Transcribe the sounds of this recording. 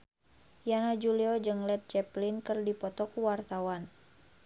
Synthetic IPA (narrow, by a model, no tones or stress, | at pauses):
janad͡ʒuliɔd͡ʒɨŋlɛt̪̚t͡ʃɛplinkɨrdipɔt̪ɔkuwart̪awan